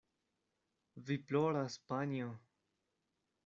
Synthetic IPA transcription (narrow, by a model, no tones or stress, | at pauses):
viploɾaspanio